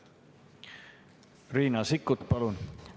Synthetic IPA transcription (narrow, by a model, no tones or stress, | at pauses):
riːnɑsikːˑut̪pɑlun